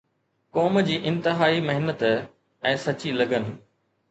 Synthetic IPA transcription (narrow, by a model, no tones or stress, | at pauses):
kɔːmd͡ʑiːʔɪ̃nt̪ɪɦaːimɐɦɪnət̪ | ɛ̃ːsɐt͡ɕilɐɡənɪ̆